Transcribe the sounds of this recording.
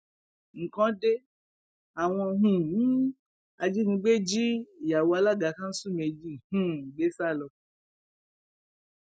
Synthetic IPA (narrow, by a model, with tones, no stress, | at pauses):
ŋ̩˨kã˨˦de˦ | a˨w̃ɔ̃˧ɦũ˨nĩ˦ | a˧d͡ʒi˦nĩ˧˦ɡ͡be˦d͡ʒi˦˨ja˨wo˧a˧la˦˨ɡa˨˦kã˦n̩˦su˦˨me˧d͡ʒi˦˨hũ˦˨ɡ͡be˨˦sa˦˨lɔ˧